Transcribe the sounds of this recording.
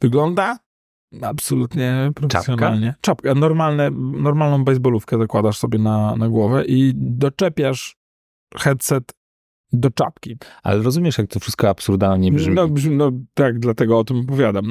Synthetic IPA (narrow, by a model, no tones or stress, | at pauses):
vɨɡlɔnd̪a | apsɔlut̪ɲɛpɾɔfɛsjɔna̰lɲɛt͡ʂapkanɔɾmalnɛnɔɾmalnɔ̃w̃bɛjzbɔlufkɛzakwad̪aʂsɔbʲjɛnanaɡwɔvɛʔid̪ɔt͡ʂɛpʲjaʂ | xɛt̪sɛt̪ | d̪ɔt͡ʂa̰p̚kʲia̰lɛɾɔzumʲjɛʂjak̚t̪ɔfʂɨst̪̚kɔapsuɾd̪alɲɛbʐmʲnɔbʐmʲinɔt̪aɡd̪lat̪ɛɡɔɔt̪ɘmɔpɔvʲjad̪am